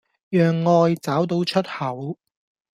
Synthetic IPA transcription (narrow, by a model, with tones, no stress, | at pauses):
jœː˨ŋːɔː˧jt͡saː˨˥wt̪o˨˥wt͡ʃʰɵ˥t̚hɐ˨˩w